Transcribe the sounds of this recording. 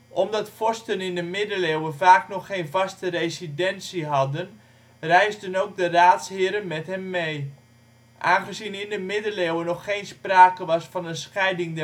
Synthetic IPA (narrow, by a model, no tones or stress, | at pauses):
ʔɔmdɑtfɔstənɪndəmɪdəlewəvaːknɔχːejnvɑstərejzidɛnsiɦɑdən | rɛjzdənoːk̚dəraːtshɪəɾənmɛtɦɛmːej | ʔaːnχəzinɪndəmɪdəlewənɔχejnspraːkəʋɑsfɑnənsχɛjdɪŋdɛ